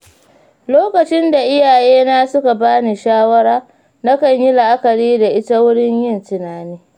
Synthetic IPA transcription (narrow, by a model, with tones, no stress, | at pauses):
loː˦kɐ˨t͡ʃɪ˦nda˨ʔɪ˦jaː˨jeː˦na˦sʊ˦ka˨baː˦ni˨ʃaː˦wɐ˦ɽaː˦ | na˦kɐ˨ɲji˦la˨ʔa˦kɐ˨ɽiː˦da˨ʔɪ˦ta˦wʊ˦ɽɪ˦ɲjɪ˦ntɪ˨naː˨niː˦